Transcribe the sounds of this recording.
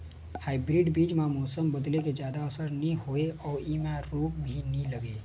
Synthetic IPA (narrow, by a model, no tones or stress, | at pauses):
haːɪbɾɪɖbiːd͡ʒmãmɔːsəmbɐd̪leked͡ʒjaːd̪aəsəɾnɐĩɦoeɔːɾiːmãɾuːp̚bʱinəĩlɐɡe